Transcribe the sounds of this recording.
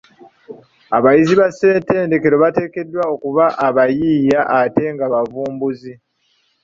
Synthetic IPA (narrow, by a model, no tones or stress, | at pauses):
aβajiziβase̞ːnte̞ːnde̞ke̞ɾo̞βate̞ːke̞dːwao̞kuβaʔaβajiːjaʔate̞ŋɡaβavuːmbuzi